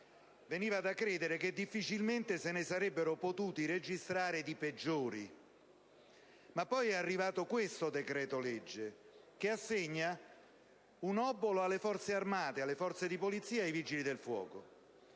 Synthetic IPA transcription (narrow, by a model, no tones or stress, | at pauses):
veniːvad̪akːɾeːd̪eɾeked̪ːifːit͡ʃilment̪esenɪsaɾɛbːeɾopot̪uːt̪iɾed͡ʒist̪ɾaːɾed̪iped͡ʒːoːɾi | mapːɔjɛarːivaːt̪okwest̪od̪ekɾɛːt̪oled͡ʒːe | k̟ɪasːeɲːa | unɔbːoloalːefɔrt̪searmaːt̪ealːefɔrt̪sed̪ipolit̪sːiːaejvid͡ʒilid̪elfwɔ̰ːko